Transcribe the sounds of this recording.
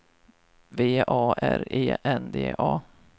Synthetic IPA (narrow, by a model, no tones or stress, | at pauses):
veːʔɑːʔæɾeːʔɛnd̪eːʔɑː